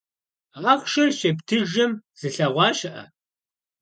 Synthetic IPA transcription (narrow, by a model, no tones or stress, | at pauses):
aʁʷʃɐrʃeptʰɨʒɐmz̥ɨɬɐʁʷɑːʃɐʔɐ̰